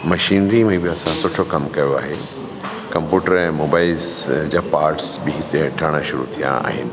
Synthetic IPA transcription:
mɐʃiːnɾimẽbɪɐsãsʊʈʰokɐmkɐjoa̰ːɦe | kɐ̃mpjuːʈəɾɛ̃ːmoːbaːɪlsd͡ʑaːpaːɾʈsbɪɦɪt̪eɐʈʰɐɽ̃ʃʊɾṵt̪ʰijã̰a̰ːɦɪnɪ̆

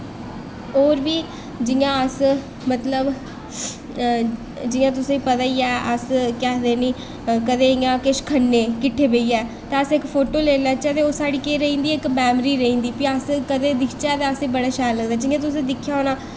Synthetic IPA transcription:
oːɾʋiː | d͡ʒɪjãːəs | mət̪ləb | d͡ʒɪjãːt̪̬ʊsẽːiːpət̪aːiːɛːʔəskɛːd̪eːniː | kəd̪eːjãːkɪʃkʰənːeːkɪʈʰːeːbeiːɛː | t̪eːəsɪkpʰoːʈoːleːlãːt͡ʃɛːd̪eːoːsaːɽiːkeːɾəĩːnd̪iːɪkbɛːmɾiːɾəĩːnd̪iːpɪaːskəd̪eːd̪ɪkʰt͡ʃɛːd̪eːəsiːbəɽaːʃaːɾləɡd̪aːd͡ʒɪãːt̪̬ʊsẽːd̪ɪkʰːjaːoːnaː

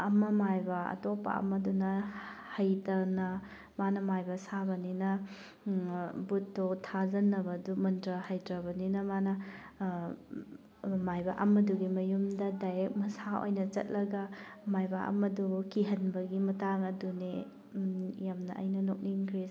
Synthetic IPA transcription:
ɐmɐmajbɐɐ̰topːɐ̰ɐ̰mɐdunɐhɐjtɐnɐ | manɐmajbɐsabɐninɐ | butːotʰazɐnːɐbɐdumɐntɾɐhajtɾɐbɐninɐmanɐ | majbɐ̰ʔɐmɐduɡimɐjumdɐdajɾek̚mɐsao̰jnɐt͡ʃɐ̰t̚lɐɡɐmajbɐɐ̰mɐdukiɦɐnbɐɡimɐtaŋɐdune | jamnɐʔɐ̰jnɐnok̚niŋkʰɾi

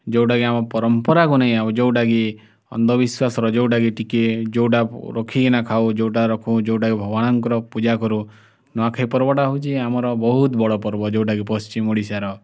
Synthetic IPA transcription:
d͡ʒewʈaɡiamɔpɔɾɔmpɔɾakunaɦĩabud͡ʒewʈaɡi | ɔ̰nd̪ɔbiswasɔɾɔd͡ʒewʈaɡiʈiked͡ʒowʈaɾɔkʰikinakʰawd͡ʒewʈaɾɔkʰũd͡ʒewʈaɡibʱɔbɔɽ̃ɔŋkɔɾɔpud͡ʒakɔɾũ | nɔakʰajpɔɾbɔʈaɦut͡ʃʰiamɔɾɔbɔɦut̪bɔɭɔpɔɾbɔd͡ʒewʈaɡipɔst͡ʃimoɽisaɾɔ

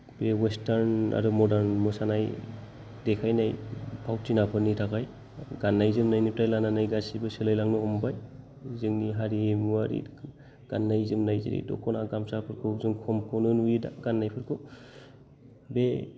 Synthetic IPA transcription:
bewestaɾna̰ɾumɔdaɾnmɯsanaj | dekʰajnajpʰawtinapʰɯnitʰakʰaj | ɡanːajzɯmnajnip̚tajlananajɡasibɯselɯjlaŋnɯɔmbaj | zɯŋniɦaɾiemuaɾḭ | ɡ̥anːajzɯmnajzḭɾḭdɔ̰kʰɔnaɡamsapʰɯɾkʰɯzɯŋkʰɔmkʰɔnɯnujida̰ɡanːajpʰɯɾkʰɯw | be

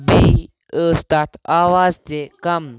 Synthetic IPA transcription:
bi | əːst̪at̪ʰaːʋaːzt̪ekɐm

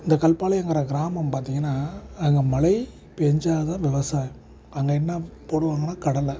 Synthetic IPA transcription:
ɪnd̪ɐkɐlpaːlɐɛŋɡɪɾɐɡɪɾaːmɐmpaːɾt̪iŋɡɐnːaːɐŋɡɐmɐlɐɪ | pɛɲd͡ʒaːɐðãːʋɪʋɐsaːj | ɐŋɡɐɛnːɐpoːɽɯʋaːŋɡɐnːaːkɐɽɐlɐ

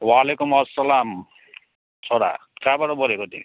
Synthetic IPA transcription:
walekumʌsːalam | sɔɾa̰kabaɾɔbʌɾekot̪i

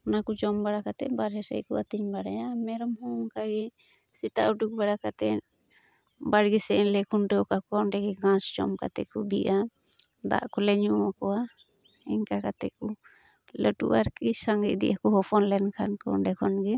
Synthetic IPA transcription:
ɔnakud͡ʒɔmbaɽakat̪ɛ̰baɾɦɛsɛ̰jkuat̪iɲbaɽajamɛɾɔmhɔŋkaɡɛ | sit̪aʔuʈuk̚baɽakat̪ɛ | baɽɡisɛnlɛkʰunʈɛɔkakɔnʈɛɡɛɡãsd͡ʒɔ̰mka̰t̪ɛkubḭʔa | d̪a̰ʔkɔlɛɲuakɔwa | ɛɲkakat̪ɛku | ləʈṵʔaɾkisaŋɡiʔ̚d̪ḭʔakɔɦɔpʰɔnlɛnkʰankɔ̰ɖɛkʰɔnɡɛ

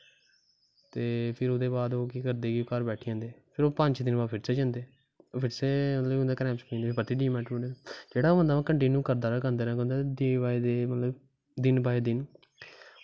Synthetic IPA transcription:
t̪eːpʰɪɾoːd̪eːbaːd̪oːkiːkəɾd̪eːɡiokəɾbɛːʈʰiːd͡ʒãːnd̪eːpʰɪɾoːpəɲt͡ʃd̪ɪnbaːpʰɪɾseːd͡ʒãːnd̪eː | pʰɪɾseːmət̪ləbʊ̃nd̪aːkɾɛːmskĩːnd̪epət̪iːɖiːmɛːʈɾõːɳeːɾad͡ʒeːɽaːoːʋə̃nd̪aːʋãːkəɳʈiːnjuːkəɾd̪aːɾaːk̬ənd̪eːɾãːkɛ̃ːnd̪aːd̪eːbaːed̪eːmət̪ləb | d̪ɪnbaːeːd̪ɪn

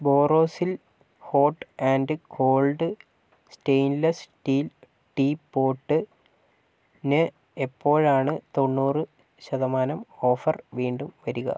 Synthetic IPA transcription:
bo̞ːro̞ːsil | ho̞ːʈːaːnɖɨkʰo̞ːlɖɨ | sʈejnlɐsʈiːl | ʈiːpːo̞ːʈːɨ | nɨ | epːo̞ːɻaːɳɨt̪o̞ɳːuːrɨ | ɕɐðɐmaːnɐmo̞ːfɐrʋiːɳɖumʋɐɾuɣɐ̰

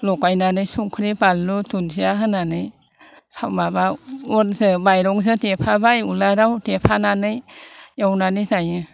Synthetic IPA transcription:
lɔkajnanɯjsuŋkʰɾibalutunsiaɦɯnanɯj | sʰawmabaonzɯbajɾɔŋz̬ɯtepʰabajuladawtepʰananɯjjawnanɯzajɯ

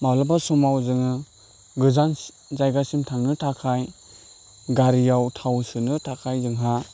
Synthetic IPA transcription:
malabasumawzɯŋɯ | ɡɯzan | zajɡasimtʰaŋnɯtʰakʰaj | ɡaɾijawtʰawsɯnɯtʰakʰajzɯŋɦa

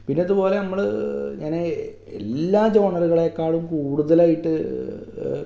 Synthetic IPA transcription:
pinːeɐðupo̞ːle̞nɐmːɐɭɲaːne | ḛlːaːd͡ʑo̞ːɳɐruɣɐɭekːaːɭumkuːɽuðɐlaːjiʈːɨ

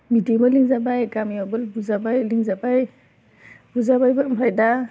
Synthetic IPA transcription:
midiemɔliŋzabajɡamiɔbɯlbuzabajliŋzabaj | b̥uzabajbɯmʰɾajda

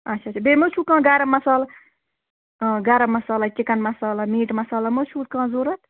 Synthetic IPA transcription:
ɐt͡ʃʰɐɐt͡ʃʰɐbeːmot͡ʃʰuːkãːɡɐɾɐmːɐsaːlɐ | ɡɐɾɐmːɐsaːlɐt͡ʃɪkɐnmɐsaːlɐmiːʈmɐsaːlɐmot͡ʃʰuːkãːzoɾɐt̪

